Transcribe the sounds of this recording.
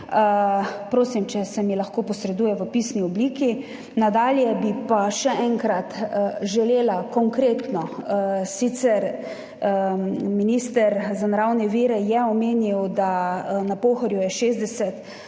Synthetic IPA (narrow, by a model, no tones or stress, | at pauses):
əpɾoːsimt͡ʃɛsɛmilaxkoːpɔsɾɛd̪uːjɛʋəpiːsniɔbliːki | nad̪aːljɛbipaʃɛʔɛŋkɾat̪ʒɛleːlakɔŋkɾeːt̪nɔsit̪sɛɾ | miniːst̪ɛɾzanaɾawnɛʋiːɾɛjɛɔmeːniwd̪anapoːxɔɾjujɛʃeːzd̪ɛsɛt̪